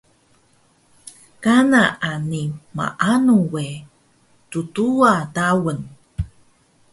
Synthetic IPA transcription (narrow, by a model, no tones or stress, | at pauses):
kanaʔanima̰ʔanuwe | tutuadawən